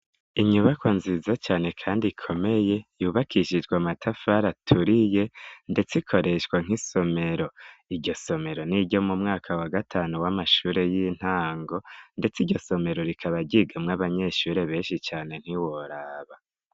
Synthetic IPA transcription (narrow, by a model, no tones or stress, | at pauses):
iɲuβakwonzizat͡ʃaːne̞kʰaːndikʰo̞me̞je̞juːβakʰiʃid͡ʒɡwamatʰafaɾatʰuɾije̞nde̞t͡sikʰo̞ɾe̞ʃwaŋ̥iso̞me̞ɾo̞iɟo̞so̞me̞ɾo̞niɟo̞mumŋaːkʰawaɡatʰaːnuwamaʃuːɾe̞jin̥haːŋɡo̞nde̞t͡siɾɟo̞so̞me̞ɾo̞ɾikʰaβaɟiɡamŋaβaɲe̞ʃuːɾe̞βe̞ːnʃit͡ʃaːne̞n̥iwoɾaːβa